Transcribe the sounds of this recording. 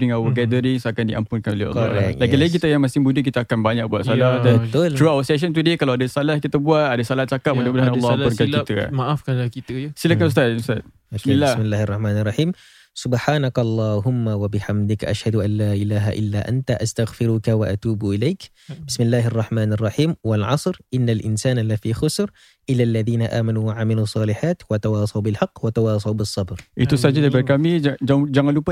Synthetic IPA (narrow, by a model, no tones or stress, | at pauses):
bɾiŋawəɡɛdəɾiŋsakandiʔampʊnkanolia̰ɾ̰laɡilaɡikit̪əjaŋmasɪŋbudəkit̪əakanbaɲak̚buat̪salahdabət̪ʊlt̪ɾuawəsɛʃ̬ənt̪udiəkalawadasalahkit̪abuat̪adasalaht͡ʃakap̚mudabədaanalːlpʊnkakit̪ə̰maʔafkaakit̪əsilakanust̪at̪ust̪at̪̚ | aklːamɪlːaːha̰rːˤɑħmaːnarˤːɑħiːm | sʊbħaːnakʔɑlˤːɑːɦʊmːawabɪħamd̪ɪkʔaʃhad̪ʊʔanːaːʔɪlaːɦa̰ʔɪ̰lːaʔa̰nt̪aʔast̪aɣfɪɾʊkawaʔat̪uːbʔɪlajk | bɪsmɪlːaːhɑrˤːɑħmaːnɑrˤːɑħiːmwɪlʕɑsˤɾʔɪnːalʔɪnsaːnlafiːxʊsɾ | ʔɪlːalːaðiːnaʔa̰ːmanuwaʕamalusˤːɑːlɪħaːt̪wat̪awɑːsˤɑwbɪlħɑqːwat̪awɑːsˤɑwbɪsˤːɑbɾʔit̪usad͡ʒad̪abaɾkamid͡ʒad͡ʒaŋanlupa